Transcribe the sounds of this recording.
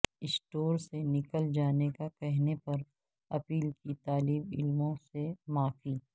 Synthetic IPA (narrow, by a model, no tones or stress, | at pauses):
ɪsʈoːɾsenɪkəld͡ʒaːnekakɛɦnepɐɾ | ɐpiːlkit̪aːliːbɪ̰lmõsemãːfiː